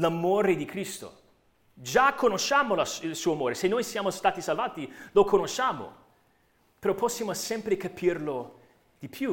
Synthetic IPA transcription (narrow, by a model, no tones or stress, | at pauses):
lamoːɾed̪ikɾist̪o̰ | d͡ʒakʰːonoʃːaːmolailsuːoamoːɾesenːojsjaːmost̪aːt̪isalvaːt̪ilokonoʃːaːmo̰ | peɾɔpɔsːjaːmosɛmpɾekapʰirlo | d̪̥ipʰju